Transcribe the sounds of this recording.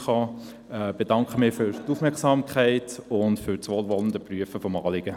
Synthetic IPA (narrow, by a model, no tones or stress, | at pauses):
χɑː | ɛb̥edɑŋkχəmɪfʏɾtufmɛɾksɑːmkʰχɛɪtʊntfʏɾt͡sʋoːlʋɔləndəpryəfəfɔmɑ̰ːlɪɡ̥ə